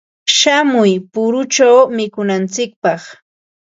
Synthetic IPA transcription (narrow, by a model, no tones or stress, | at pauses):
ʃamʊjpʊɾʊt͡ʃawmɪkʊnant͡sɪk̚pɑχ